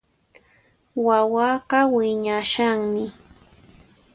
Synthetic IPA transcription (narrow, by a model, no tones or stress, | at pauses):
wawɑːɢɑwɪɲaʃaŋmɪ